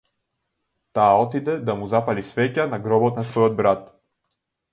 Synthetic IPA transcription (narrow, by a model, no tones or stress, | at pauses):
t̪aːɔt̪id̪ɛd̪amuzapalisvɛcanaɡɾɔbɔt̪nasvɔjɔd̪̚bɾat̪